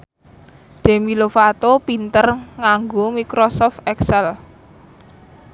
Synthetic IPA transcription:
d̪̥e̤milofat̪opint̪ərŋaŋɡomikɾosɔft̪ɛksɛl

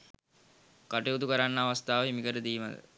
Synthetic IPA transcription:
kaʈeud̪ukəɾanːəaʋast̪aːʋəɦimikəɾəd̪iːmə̰d̪ə̰

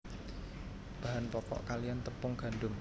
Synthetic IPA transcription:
b̥a̤ɦanpɔkɔ̰ʔkalijant̪əpʊŋɡ̥a̤nɖʊm

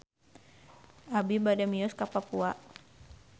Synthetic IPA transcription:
ʔabibadamiɔskapapua

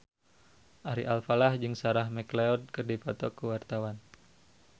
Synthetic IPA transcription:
ʔaɾḭʔalfalahd͡ʒɨŋsaɾahmɛkleɔd̚kɨrdipɔt̪ɔkuwart̪awan

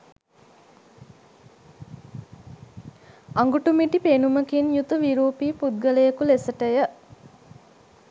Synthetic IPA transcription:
aŋɡuʈumiʈipenuməkinjut̪uʋiɾuːpiːpud̪̚ɡələjəkulesəʈəjə

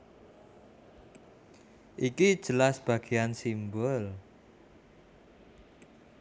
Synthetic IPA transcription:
ʔikid̥ʒ̥ə̤lasb̥ä̤ɡ̥eansimbʊl

